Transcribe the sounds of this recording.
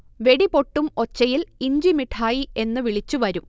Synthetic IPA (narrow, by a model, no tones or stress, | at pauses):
ʋe̞ɽipo̞ʈːumo̞t͡ɕːɐjiliɲd͡ʑimiʈʰaːjie̞nːɨʋiɭit͡ɕːuʋɐɾum